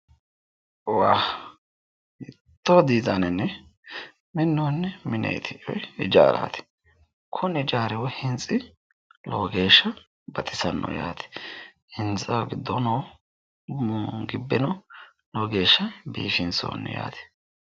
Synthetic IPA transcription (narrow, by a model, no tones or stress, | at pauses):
waː | ɪ | t̪ːod̪iːzɐnɛnːɛ | mɪnːoːnːɛmɪnḛjt̪ʰɪʔɔjɪd͡ʒa̰ːɾa̰ːt̪ɪ̥ | kʰʊnɪd͡ʒaːɾɪwɔhɪnt͡sʼɪ | loːɡeːʃːɐ | bɐt̪ʼɪsɐnːɔ̰ja̰ːt̪ɛ̥ | hɪnt͡sʼɐwɡɪd̪ːɔnoː | ɡɪbːɛnɔ | lɔɡeːʃːɐbḭːfɪnso̰ːnːɛ̰ja̰ːt̪ɪ̥